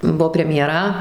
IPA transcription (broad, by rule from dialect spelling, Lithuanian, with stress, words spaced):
ˈbʊʋoː pʲrʲɛmʲjɛˈrɐ